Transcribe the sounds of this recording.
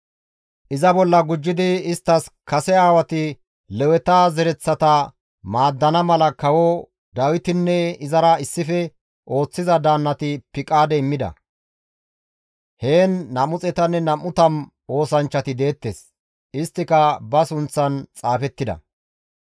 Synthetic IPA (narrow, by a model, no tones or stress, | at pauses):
ʔɪzɐbɔlːɐɡʊd͡ʒːɪd̪ɪɪst̪ːɐskɐsɛaːwɐt̪ɪ | lɛwɛt̪aːzɛɾɛt͡sːɐt̪ɐ | maːd̪ːɐnɐmɐlɐkɐwo | d̪ɐwɪt̪ɪnːɛɪzɐɾɐɪsːɪfɛ | ʔo̞ːt͡sːɪzɐd̪aːnːɐt̪ɪpɪkʼaːd̪ɛɪmːɪd̪ɐ̰ | he̞ːnːɐmʊt͡sʼɛt̪ɐnːɛnɐmːʊt̪ɐm | o̞ːsɐnt͡ʃːɐt̪ɪd̪e̞ːt̪ːeːs | ɪst̪ːɪkɐbɐsʊnt͡sːɐnt͡sʼaːfɛt̪ːɪd̪ɐ̰